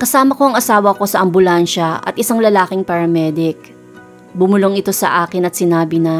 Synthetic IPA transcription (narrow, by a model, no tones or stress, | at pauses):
kɐsaːmɐko̞ɐŋɐsaːwɐko̞sɐʔɐmbʊlanʃɐɐ̰t̪ʔɪsaŋlɐlaːkɪŋpɐɾɐmɛːd̪ɪk̚ | bʊmʊloŋɪt̪o̞sɐ̰ʔaːkɪnɐt̪̚sɪnaːbɪnɐ